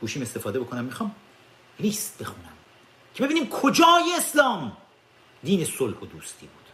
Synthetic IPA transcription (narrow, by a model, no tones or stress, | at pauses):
ɡ̥uːʃiːme̞st̪e̞fɒːd̪eo̞kʰo̞næmːixɒːm | liːst̪̚be̞xunæm | cʰee̞biːniːmkʰod͡ʒɒːjeeslɒːm | d̪iːne̞solhod̪uːst̪ʰiːbuːd̪̥